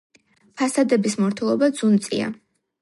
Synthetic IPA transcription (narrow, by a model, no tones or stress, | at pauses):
pʰasad̪ɛbismɔɾt̪ʰɛlˠɔbad̪zunt̪sʼḭa̰